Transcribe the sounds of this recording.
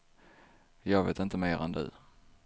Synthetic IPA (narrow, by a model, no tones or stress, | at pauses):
jɑːɡveːt̪ɪnt̪əmeːɾɛ̰nd̪ɵ̰